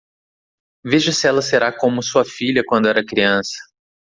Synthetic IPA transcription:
veʒɐsɪɛlɐseɾakõmʊsuɐfiʎʲɐkwɐ̃nd̪ʊɛɾɐkɾiɐ̃sɐ̥

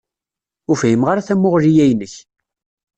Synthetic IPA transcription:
ʊɾfjimʁaɾaθæmːʊʁɾijæjnəç

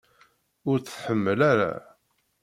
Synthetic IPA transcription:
ʊɾθθħəmːəlaɾa̰

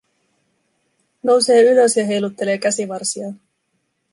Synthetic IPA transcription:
no̞wse̞ːyløsjɑɦe̞jlut̪ːe̞le̞ːkæsiʋɑrsiɑ

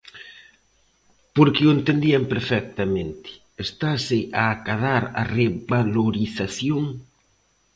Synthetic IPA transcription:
poɾkɪoent̪end̪iampeɾfɛk̚t̪amẽnt̪ɪ̥ | est̪asɪʔaːkaðaɾa̰rebaloɾiθaθjoŋ

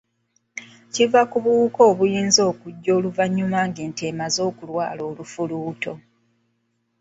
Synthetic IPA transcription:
civakuβuko̞ːβujiːnzo̞ːkuɟːo̞ːluvaɲːumaːŋɡeːnte̞ːmazo̞ːkulwa̰ːlo̞ːlufuluːto̞

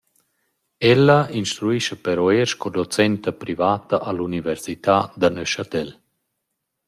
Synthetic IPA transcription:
ɛlːainʃt̪ɾuiʃɐpɛɾoeɾʃkod̪ot͡sɛnt̪apɾivaːt̪aʔalunivɛɾsit̪aːd̪anøʃat̪ɛl

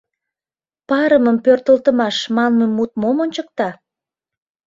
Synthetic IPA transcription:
pɑɾəməmpørt̪əlt̪əmɑʃmɑnməmːut̪̚momonʲt͡ɕək̚t̪ɑ

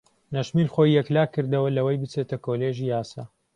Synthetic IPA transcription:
nɐʃmilχojːɛklaːkːɨɾd̪ɐwɐlɐwɐjbɨt͡set̪ʰɐkoleːʒijaːsa̰ː

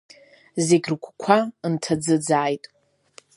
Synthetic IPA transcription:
zeɡʲrkʷʰʼkʷʰantʰad͡zɨd͡zaːjtʼ

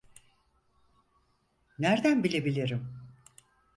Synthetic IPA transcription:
næɾd̪ænbilʲebilʲiɾim

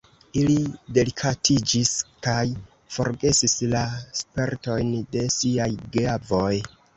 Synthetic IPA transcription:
ilide̞likʰatʰid͡ʒiskaj | fo̞̰ɾɡe̞sislaspe̞ɾto̞jnde̞siajɡavo̞j

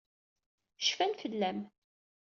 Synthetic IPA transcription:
ʃfænfəlːæm

